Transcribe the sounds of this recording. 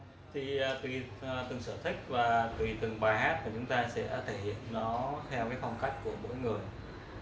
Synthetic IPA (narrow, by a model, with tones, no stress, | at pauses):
t̪ʰiː˨˩˨t̪ɨː˨˩˨t̪ɨ˨˩ŋsəː˧˩t̪ʰï˦˥k̟̚vaː˨˩t̪ɨ˨˩t̪ɨ˨˩ŋɓaː˨˩haː˦˥t̚maː˨˩t͡ɕʊ˨˦ŋ͡mt̪aː˧sɛ̰˧˥t̪ʰe˧˩hḭ˧˨əmnɔ˨˦t̪ʰɛ˧wkaː˨˦jfɔ˧wŋ͡mka˦˥jk̟̚ku˧˩əɓo̰˧˥jŋɨ˨˩əj